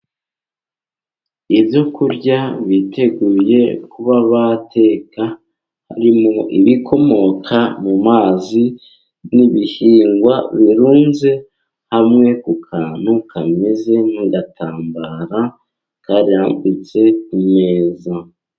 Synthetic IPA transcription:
ibjo̞kuɾɟaβitʰe̞ɡuːje̞kuβaβatʰe̞ːka | haɾimo̞ʔiβikʰo̞mo̞kʰamumaːzi | niβihiːŋɡwa̰βiɾuːnze̞ | hamŋe̞kukʰaːnukʰame̞ze̞niɡatʰaːmbaɾa | kaɾiaːmbit͡se̞kume̞ːza

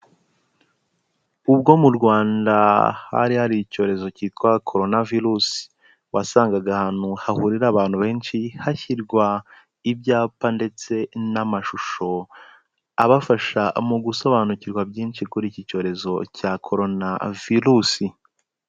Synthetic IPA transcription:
ub̚ɡo̞muɾɡwaːndaha̰ɾihaɾico̞ːɾe̞zo̞citkwakʰo̞ɾo̞naviɾusi̥ | wasaːŋɡaɡahan̥huhahuɾiɾaβaːn̥huβe̞ːnʃihaçiɾɡwa | ibjaːpande̞t͡se̞namaʃuʃo̞ | aβafaʃamuɡuso̞βanuciɾɡwabɟiːnʃikuɾiːcico̞ːɾe̞zo̞cakʰo̞ɾo̞na̰viɾusi

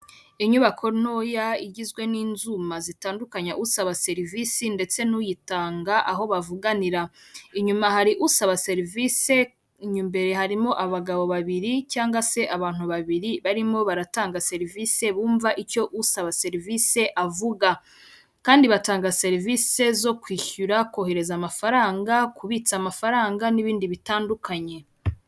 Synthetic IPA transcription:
iɲuβakʰo̞no̞ːjaiɟizɡweniːnzumazitaːndukaɲaʔusaβase̞ɾivisinde̞t͡se̞nujitaːŋɡaʔaɦo̞βavuɡaniɾaiɲumahaɾiʔusaβase̞ɾivise̞ | iɲuːmbe̞ɾe̞ɦaɾimo̞ʔaβaɡaβo̞βaβiɾicaːŋɡwase̞ʔaβaːn̥uβaβiɾiβaɾimo̞βaɾataːŋɡase̞ɾivise̞βuːɱvaʔico̞ʔusaβase̞ɾvise̞ʔavuɡa | kaːndiβataːŋɡase̞ɾiviːse̞zo̞kwiːçuɾako̞ɦe̞ɾe̞zamafaɾaːŋɡakʰuβiːt͡samafaɾaːŋɡaniβiːndiβitaːndukaɲe̞

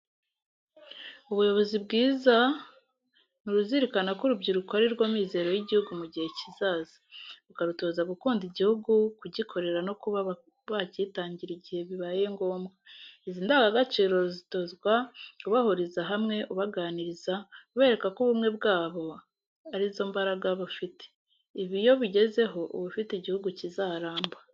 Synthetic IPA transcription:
uβujo̞βo̞zibɡiːza | nuɾuziɾikanakuɾubɟiɾukoaɾiɾɡwomiːze̞ːɾo̞jiɟihuɡumuɟihe̞cizaːzḁβukaɾuto̞ːzaɡukuːndiɟihuɡukuɟikʰo̞ɾe̞ɾano̞kuβa | βaɟitaːɲɟiɾiɟihe̞βiβaːje̞ŋɡo̞ːmɡaiziːndaɡaɡat͡ʃiːɾo̞zito̞zɡwauβahuɾizaɦamŋe̞ʔuβaɡaːniɾizauβe̞ːɾe̞kakuβumŋe̞bɡaːβo̞ | aɾizo̞mbaɾaɡaβafite̥ | iβijo̞βiɟe̞ze̞ɦo̞uβufitiɟihuɡucizaːɾaːmba

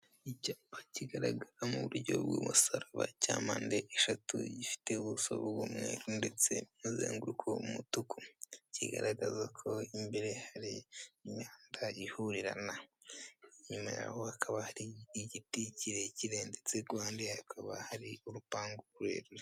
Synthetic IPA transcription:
icaːmbaciɡaɾaɡaɾamuβuɾɟo̞̰bɡuːmusaɾaβa̰caːmaːndeʔeʃatṵɟifi̥te̞βuso̰βoβumŋḛːɾundet͡se̞muzḛːŋɡuukʰoumutukucḭɡa̰ɾaɡazakʰo̞imbeɾehaɾiːɲaːndaihuɾiɾa̰na | ɲumaja̰hohakʰaβahaɾiːɟiticiɾe̞ciɾeːndet͡seɡwaːndihakʰaβa̰haɾiuɾupaːŋɡoɾuɾḛɾe

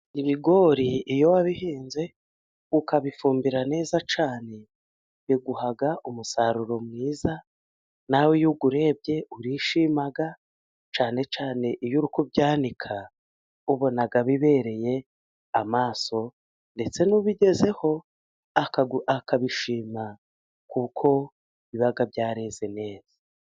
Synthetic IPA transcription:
iβiɡo̞ːɾiːjo̞waβihiːnze̞ | ukaβifuːmbiɾane̞ːzat͡ʃaːne̞ | jiɡuhaɡaʔumusaɾuɾo̞mŋiːza | nawejuɡuɾe̞b̚ɟe̞ʔuɾiʃimaɡa | t͡ʃaːne̞t͡ʃaːne̞ʔiβjuɾukubɟaːndikʰa | uβo̞naɡaβiβe̞ɾe̞je̞ | amaːso̞ | nde̞t͡se̞nuβiɟe̞ze̞ho̞ | akakaβiʃiːma | kukʰo̞ | iβiβaɡabjaːɾeze̞ne̞ːz̥a

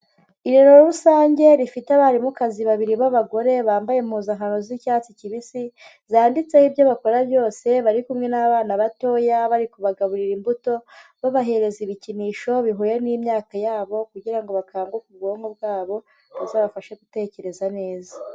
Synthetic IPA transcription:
iɾeɾo̞ɾusaːɲɟe̞ɾifitaβaɾimukaziβaβiɾiβaβaɡo̞ɾe̞βaːmbajem̥huːzaŋanozicaːt͡siciβisi | zaːndit͡sehibjo̞βako̞ɾabjo̞ːse̞βaɾikumŋe̞naβaːnaβato̞jaβaɾikuβaɡaβuɾiɾimbuto̞βaβaɦe̞ɾe̞ziβiciniːʃo̞βiɦujenimɲaːkajaːβo̞kuɟiɾaŋɡo̞βakʰaːŋɡokubɡo̞ːŋhob̚ɡaːβo̞ | βazaːβafaʃeɡute̞ːce̞ɾe̞zane̞ːza

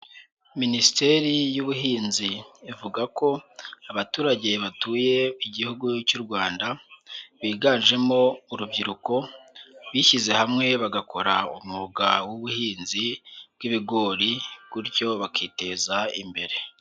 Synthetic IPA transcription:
minisite̞ɾijuβuɦiːnziːvuɡako̞aβatuːɾaɟe̞βatuːje̞iɟihuɡucuɾɡwaːndaβiːɡaːnʒe̞mo̞uɾubɟiɾuko̞βiʃize̞hamŋe̞βaɡakʰo̞ɾaṵmuɡawuβuhiːnzibɡiβiɡo̞ːɾikuɾɟo̞βakʰiːte̞zaḭmbe̞ɾe̞

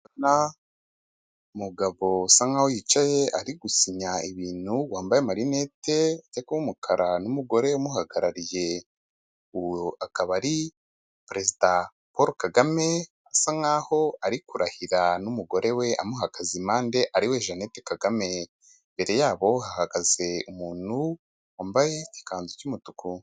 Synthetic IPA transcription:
na | umuɡaβo̞saŋahojit͡ʃaje̞ʔaɾiɡusiɲaiβiːnhuwaːmbajemaɾine̞te̞atekuwumukʰaɾanumuɡo̞ɾe̞umuɦaɡaɾaɾije̞ | akaβaɾi | pɾe̞zida | poɾokaɡame̞ | asaŋaːho̞aɾikuɾahiɾanumuɡo̞ɾe̞we̞ʔa̰muɦakazimaːnde̞ʔaɾiwe̞ʒanetekaɡame̞ | mbe̞ɾe̞jaːβo̞hahaɡaze̞umuːn̥hu | waːmbaje̞ci̥kaːnzucumutuku

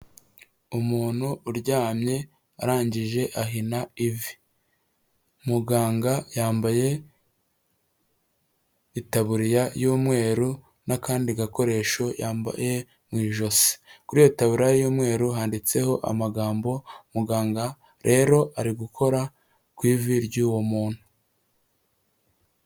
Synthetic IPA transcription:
umuːn̥huːɾɟaːmɲe̞ | a̰ɾaːɲɟiʒe̞ʔaɦinaivi | muɡaːŋɡajaːmbaje̞ | itaβuɾijajuːmŋe̞ːɾu | nakaːndiɡako̞ɾe̞ːʃo̞jaːmba̰je̞ | mwiːʒo̞si̥kuɾijoitaβuɾajejuːmŋe̞ːɾuɦaːndit͡se̞ho̞ʔa̰maɡaːmbo̞muɡaːŋɡa | ɾe̞ɾo̞ʔaɾiɡukʰo̞ɾa | kwiːviɾɟuːwo̞muːn̥hu

